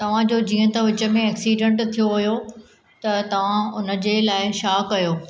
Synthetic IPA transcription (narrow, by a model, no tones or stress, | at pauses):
t̪ɐʋ̤ãd͡ʑoːd͡ʑĩːə̃t̪ɐ̃ʋɪt͡ɕə̆mẽeːksiːɖə̃ɳʈt̪ʰijoʋɐjo | t̪ɐt̪ɐʋ̤ãʊnə̆d͡ʑelaːɪʃaːkːɐjoː